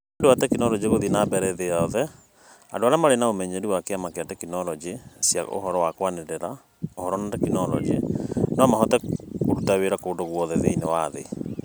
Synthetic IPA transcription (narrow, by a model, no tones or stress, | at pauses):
endowatɛkinɔlɔd͡ʒiɣoðinabɛɾɛðeaðɛ | adoaɾamaɾenaomɛɲeɾiwakeamakeatɛkinɔlɔd͡ʒisja̰o̰hɔɾɔwakwaneɾeɾa | ohɔɾɔnatɛkinɔlɔ̰d͡ʒiɛ̰nɔamaɦɔtɛokutaweɾakoːndoɣwɔðɛðeinewaðḛ